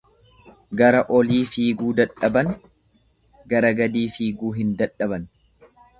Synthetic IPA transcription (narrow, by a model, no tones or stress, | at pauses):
ɡɐɾɐʔɔliːfiːɡuːd̪ɐᶑɐbɐn | ɡɐɾɐɡɐd̪iːfiːɡuːɦɪnd̪ɐᶑːɐbɐn